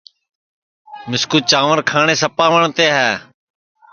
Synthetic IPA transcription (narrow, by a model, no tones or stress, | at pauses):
mɪskuːt͡ʃaːʋəɾkʰaːɳẽːsəpaːʋəɳt̪eːɦɛː